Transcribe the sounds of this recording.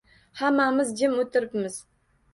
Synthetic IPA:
hamːamɪzd͡ʒɪmot̪ʰɪɾɪpmɪz̥

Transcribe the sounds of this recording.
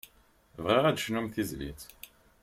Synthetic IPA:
vʁiʁæd̪ʃnumθizlḭt͡s

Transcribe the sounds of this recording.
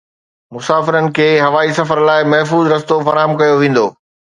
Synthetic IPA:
mʊsaːfɪɾənɪ̆kʰeːɦɐʋaːisɐfəɾlaːɪmɐɦfuːzɾɐst̪ofɐɾaːɦəmkɐjoʋẽːn̆d̪oː

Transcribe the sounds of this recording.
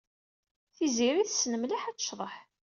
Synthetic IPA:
θiziɾiθəsnəmliħæt͡sːə̥ʃðˤəħ

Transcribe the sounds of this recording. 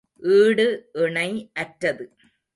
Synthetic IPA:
ɯːɽɯiɳɐɪɐʈɾɐðɯ

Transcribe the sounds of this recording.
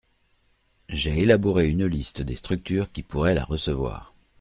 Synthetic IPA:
ʒeelabuʁeynlist̪əd̪est̪χyk̚t̪yːʁkʲipuʁɛla̰ʁəsəvwa̰ːʁ

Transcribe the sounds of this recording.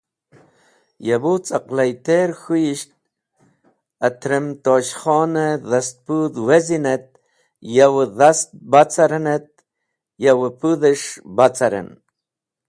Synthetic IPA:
jabot͡saqlajt̪eɾxujiʃt̪̚ | at̪ɾemt̪oːɕχɔːneðast̪̚pud̪wezinet̪̚ | jawðast̪̚bat͡saɾenet̪̚ | jawpuðəʂbat͡saɾḛn

